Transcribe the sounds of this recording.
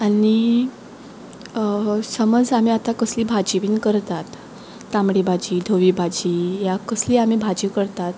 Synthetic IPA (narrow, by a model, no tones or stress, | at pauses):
ani | səməd͡zam̤iːat̪akəsliːbʱad͡ʑiʋiːnkəɾt̪at̪ː | amɽibʱad͡ʑiːd̪ʱoʋibʱad͡ʑiːjakəsliːam̤ibʱad͡ʑiʋkəɾt̪at̪